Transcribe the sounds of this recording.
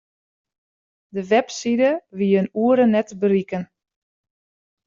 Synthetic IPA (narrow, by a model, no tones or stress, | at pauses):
dəʋɛpsidəʋiənuəɾənɛtbərikən